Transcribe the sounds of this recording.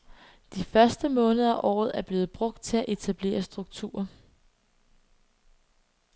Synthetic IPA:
d̥ifɶɐsd̥əmɔ̽ːnəð̩ˠæʔɒ̰ːð̩ˠæɐb̥le̝ːð̞̩ˠb̥ʁɔ̽ɡ̥̚d̥̚t͡sʰe̝læʔe̝t͡sʰæb̥le̝̰ːɐsd̥ʁuɡ̥̚t͡sʰṵːɐ

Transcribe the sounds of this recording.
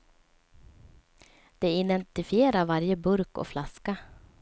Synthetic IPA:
d̪̥ɛɪd̪ɛnt̪ɪfɪeːɾaɾvaɾjəbɵɾkɔ̰flaska

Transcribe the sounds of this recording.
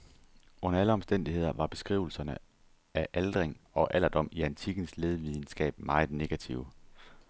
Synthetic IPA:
ɔ̽nɐæləɒ̽msd̥en̰d̥ihe̝ð̞̰ˠɐʋɑ̈b̥e̝sɡ̥ʁḭːʊl̩sɐnə | æʔæld̥ʁeŋɒ̽ʔæl̰ɐd̥ɒ̽m̰iænt͡sʰiɡ̥n̩sle̝ːðˠʋið̞ˠn̩sɡ̥ɛ̰ːb̥mɑ̈ɪð̩ne̝ɡ̥æt͡sʰiʊ̰

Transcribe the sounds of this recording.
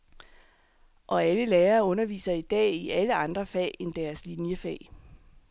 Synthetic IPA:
ʔɒ̽æləleːɐːɔ̽nɐʋḭːsɐid̥ɛ̰ːiʔæləɑ̈nd̥ʁɐfɛ̰ːend̥æɐslinjəfɛ̰ː

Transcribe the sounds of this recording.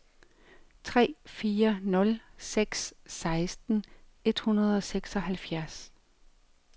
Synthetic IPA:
t͡sʰʁɛ̰ːfiːɐnɔ̽lseɡ̥sːɑ̈ɪsd̥n̩e̝d̥hunɐð̞̩ˠɒ̽seɡ̥sɒ̽hælfjæɐs

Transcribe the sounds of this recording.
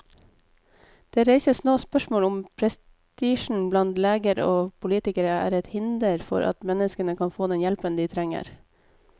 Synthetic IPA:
d̪̥eːɾeɪsəsnoːspœʃmoːlʊmpʰɾɛs | t̪iːʃn̩blɑnt̪leːɡəɾ̰oːpʰʊliːt̪ɪkəɾəæ̰ːɾɛt̪hɪnd̪əɾfɔ̰ɾʔɑ̰t̪mɛnəskənəkʰɑnfoːd̪ɛnjɛlpənd̪iːt̪ʰɾɛŋə̰ɾ

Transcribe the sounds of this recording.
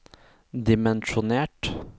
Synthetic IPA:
d̪ɪmɛnʃʊneːʈ

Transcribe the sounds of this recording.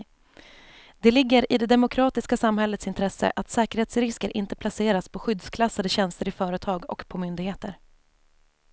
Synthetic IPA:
d̪̥ɛlɪɡːəɾɪd̪ɛd̪ɛmʊkʰɾɑːt̪ɪskasamɦɛlːət̪sɪnt̪ʰɾɛsːə̰ʔat̪sɛːkəɾheːt̪sɾɪskəɾʔɪnt̪ə̥pʰlaseːɾaspʰɔɧʏd̪skʰlasːad̪əɕɛnst̪əɾɪfœːɾət̪ʰɑːɡɔ̰kpʰɔmʏnd̪ɪɡheːt̪əɾ

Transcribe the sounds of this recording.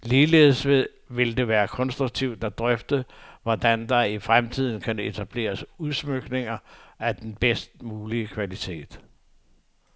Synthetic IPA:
liːle̝̰ːð̩ˠsʋe̝ðˠ | ʋe̝ld̥e̝ʋæːɐkʰɒ̽nsd̥ʁuɡ̥̚t͡sʰiʊ̰d̥ɑd̥ʁœfd̥əʋɒd̥ænd̥ɑ̈ifʁamt͡sʰið̞̰ˠn̩kʰæne̝t͡sʰæb̥le̝̰ːɐsuðˠsmøɡ̥ne̝ŋɐæd̥enb̥esd̥̚muːliəkʰʋælit͡sʰe̝̰ːd̥

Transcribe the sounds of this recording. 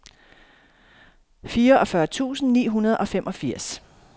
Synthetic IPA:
fiːɐʔɒ̽fɶɐt͡sʰṵːsn̩nḭːɦunɐð̞ˠʔɒ̽femʔɒ̽fiɐ̰s

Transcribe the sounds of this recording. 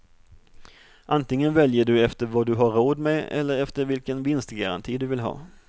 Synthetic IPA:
ʔant̪ɪŋːənvɛljəɖɵɛft̪əɾvad̪ɵɦaɾoːd̪meɛ̰lːəɾɛft̪əɾvɪlkənvɪnst̪ɡaɾa̰nt̪ʰiːd̪ɵvɪlɦɑ̰ː

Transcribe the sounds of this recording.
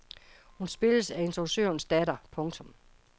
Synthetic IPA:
hunsb̥e̝ləsæe̝nsʰʁosø̰ɐnsd̥ædɐpʰɔ̽ŋt͡sʰɔ̽m

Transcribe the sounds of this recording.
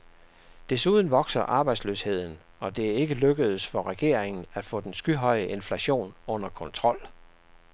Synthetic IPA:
d̥esuð̞ˠn̩ʋɒ̽ɡ̥sɐʔɑ̈ːb̥ɑ̈ɪdsløshe̝ð̞̰ˠn̩ | ɒ̽d̥e̝æɐe̝ɡ̥əløɡ̥əð̩ˠsfɒ̽ʁɛɡ̥e̝ɐ̰e̝ŋn̩æ̥fɔ̰̽ːd̥ensɡ̥yɦɒ̽ɪəʔe̝nflæɕo̝̰ːnɔ̽n̰ɐkʰɒ̽nt͡sʰʁɒ̽l̰

